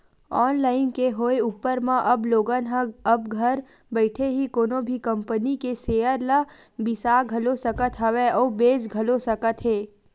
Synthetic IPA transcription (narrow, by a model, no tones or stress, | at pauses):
ɔːnlaːɪnkeɦoːeuːpəɾmãʔɐbloːɡənɦə̃ɐbɡʱɐɾ | bəɪʈʰeɦikoːnõbʱikɐ̃mpənikeseːəɾla | bɪsaːɡʱɐlosəkət̪ɦɐʋeɔːbeːd͡ʒɡʱɐlosɐkət̪ɦeː